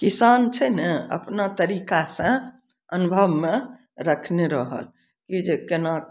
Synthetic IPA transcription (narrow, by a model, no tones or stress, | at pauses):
kisant͡ʃʰɛnəə̰pnat̪əɾikasə̃ | ənubʱəbme | ɾəkʰneɾəɦə̰l | kid͡ʒekena